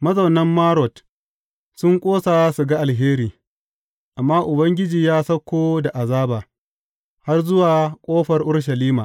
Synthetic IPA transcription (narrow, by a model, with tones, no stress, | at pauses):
mɐ˦zɐ˨wnɐ˦mːaː˦ɾɔ˨t | sʊ˦ŋkʷʼoː˦saː˨˦su˨ɡa˦ʔa˨lɦeː˦ɾiː˨ | ʔa˨mːaː˦ʔʊ˨bɐ˦ŋɡʲɪ˦d͡ʒiː˨jaː˦sɐ˦kʷːoː˦da˨ʔa˨zaː˦baː˨ | ha˦rzʊ˦waː˨kʷʼoː˦ɸɐ˨rʔʊ˦ɽʃ̬ɐ˨liː˦maː˨